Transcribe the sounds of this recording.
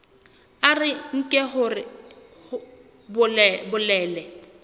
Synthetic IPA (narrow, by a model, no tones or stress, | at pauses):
arɪŋ̩kʼɛɦʊrɪ | hʊ | bʊbʊlɛːlɛ